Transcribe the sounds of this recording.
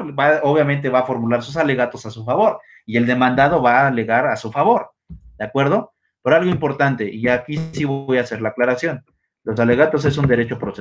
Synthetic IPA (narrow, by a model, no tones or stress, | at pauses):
baoβ̞jament̪̬e̞βaːfo̞ɾmulaɾsus̬ale̞ɣat̪o̞sasufaβo̞ɾ | ie̞ld̪e̞mãnd̪að̞o̞βale̞ɣaɾasufaβo̞ɾ | d̪eakwe̞ɾð̞o̞ | poɾalɣoimpo̞ɾt̪ant̪e̞ʔiakisiβo̞jase̞ɾlaːklaɾasjo̞n | lo̞s̬ale̞ɣat̪o̞s̬e̞s̬und̪e̞ɾe̞t͡ʃo̞pɾose